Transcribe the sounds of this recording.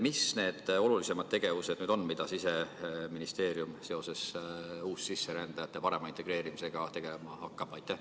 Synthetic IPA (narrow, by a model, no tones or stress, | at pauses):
misne̞ːd̪̥o̞lulise̞mɑd̪̥̚t̪e̞ɡ̥e̞vuse̞d̪nyːd̪̥onːmid̪̥ɑsise̞minist̪e̞ːɾjumse̞o̞se̞suːssisːeɾænd̪̥ɑjɑt̪ːepɑɾe̞mɑint̪e̞ɡ̥ɾe̞ːɾimise̞ɡ̥ɑt̪e̞ɡ̥e̞lemɑhɑkːɑb̥ɑjt̪ˑːæh